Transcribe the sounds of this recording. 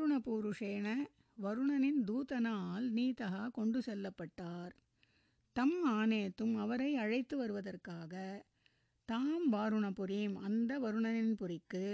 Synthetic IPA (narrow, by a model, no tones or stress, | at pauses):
ɾɯɳɐpuːɾɯʂeːnɐ | ʋɐɾɯɳɐnɪnd̪uːt̪ɐnaːlniːt̪ɐɦakɔɳɖɯsɛlːɐpːɐʈːaːɾ | t̪ɐmaːneːt̪ːɯmɐʋɐɾɐɪɐɻɐɪt̪ːɯʋɐɾɯʋɐðɐrkaːɣɐ | t̪aːmʋaːɾɯɳɐpʊɾiːmɐnd̪ɐʋɐɾɯɳɐnɪnpʊɾɪkːɯ